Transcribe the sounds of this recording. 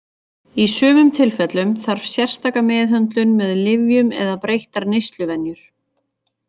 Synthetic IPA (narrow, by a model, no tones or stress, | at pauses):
isʏːvʏmt̪ʰɪlfɛt̪lʏmθaɾ̥v̥sjɛr̥st̪aːkamɛːðɦœnt̪lʏnmɛðlɪvjʏmɛ̰ðapɾejht̪aɾnejst̪lʏvɛnjʏɾ̥